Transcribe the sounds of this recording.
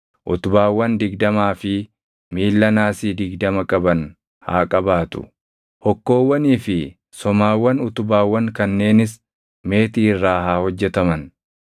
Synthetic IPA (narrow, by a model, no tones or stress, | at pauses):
ʔʊt̪ʊbaːwːɐnd̪ɪɡd̪ɐmaːfɪ | miːlːɐnaːsiːd̪ɪɡd̪ɐmɐkʼɐbɐn | ha̰ːkʼɐbaːt̪ʊ̰ | hɔkːo̞ːwːɐniːfɪ | sɔmaːwːɐnʊt̪ʊbaːwːɐŋkɐnːe̞ːnɪs | me̞ːt̪iːrːaːɦaːhɔd͡ʒːɛt̪ɐmɐn